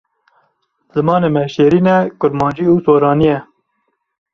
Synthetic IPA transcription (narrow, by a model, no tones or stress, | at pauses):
z̥ɨmɑːneːmɛʃeːɾiːnɛkʊɾmɑːnd͡ʒiːuːsoːɾɑːnijɛ